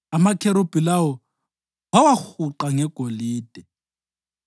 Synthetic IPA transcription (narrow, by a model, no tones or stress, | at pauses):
amakʰɛɾob̥ilaɔ | wawaxuǃaŋɛɡ̥ʱoliːd̥ʱɛ